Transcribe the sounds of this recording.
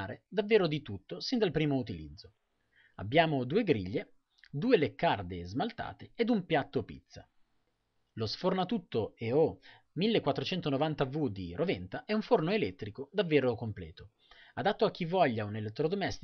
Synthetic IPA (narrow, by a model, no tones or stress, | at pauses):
aːɾed̪avːeːɾod̪it̪ut̪ːosind̪alpɾiːmout̪ilḭd̪zːo | a̰bːjaːmod̪uːeɡɾḭʎːe | d̪uːelekːard̪ezmalt̪a̰ːt̪eːd̪umpjat̪ːopḭt̪sːa̰ | losfornat̪ut̪ːoeo | milːekwat̪ːɾot͡ʃɛnt̪onovant̪avud̪ḭɾʔovɛnt̪aʔɛuɱfornoelɛt̪ːɾikod̪avːeːɾokomplɛ̰ːt̪o | ad̪at̪ːoak̟ːivːɔʎːaunelet̪ːɾod̪omɛst̪